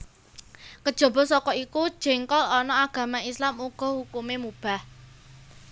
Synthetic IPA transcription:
kəd̥ʒ̥ɔ̤bɔ̤sɔkɔikud̥ʒ̥ɛ̤ŋkɔlɔnɔaɡ̥a̤maislamuɡ̥ɔ̤hukumemub̥a̤h

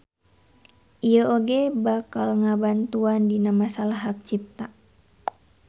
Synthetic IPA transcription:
ʔiəoɡɛbakalŋabant̪uandinamasalaɦak̚t͡ʃip̚t̪a

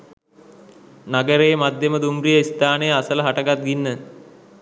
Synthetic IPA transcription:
naɡəɾejəmad̪ʱjeməd̪umrijəist̪aːnəjəasələɦaʈəɡat̪̚ɡinːə

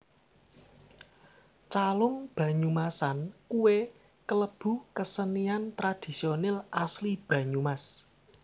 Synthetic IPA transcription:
t͡ʃalʊŋb̥ä̤ɲumasankuwe | kələb̥ṳkəsəniant̪ɾad̪̥i̤sionɛlʔaslib̥ä̤ɲumas

